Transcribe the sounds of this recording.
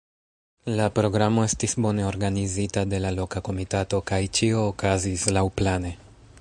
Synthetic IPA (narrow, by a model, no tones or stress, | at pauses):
lapɾo̞ɡɾamo̞e̞stisbo̞ne̞o̞ɾɡanizitade̞lalo̞kako̞mitato̞kajt͡ʃio̞ːkazislawplane̞